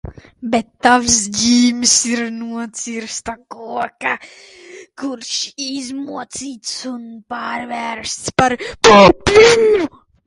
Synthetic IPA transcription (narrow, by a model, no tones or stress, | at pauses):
bɛt̪ːavsd͡ʒiːmsiɾnuɔt̪siɾst̪akuɔka | kuɾʃizmuɔt̪siːt̪sunpaːɾvæɾst̪spaɾpuːplʲinu